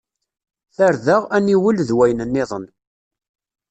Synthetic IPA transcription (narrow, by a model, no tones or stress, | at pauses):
θæɾðəʁæniwəlðwæjnənːɪðˤən